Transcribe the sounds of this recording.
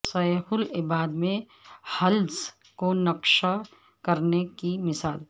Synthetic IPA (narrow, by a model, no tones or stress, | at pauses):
sɐɦʊlɪbaːd̪mẽ | hɐls | konɐkʃa | kɐɾnekimɪsaːl